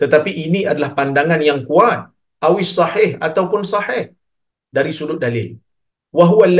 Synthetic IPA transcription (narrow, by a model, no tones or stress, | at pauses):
t̪ət̪apiʔiniadalahpandaŋanjaŋkuat̪̚ | ʔawɪsɑħɪhat̪awpʊnsɑħɪh | daɾisudʊt̪̚dalɪ̰l | waɦuwalː